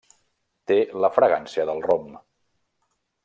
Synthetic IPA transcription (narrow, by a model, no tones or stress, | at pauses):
t̪eləfɾəɣansiəðəlˠrom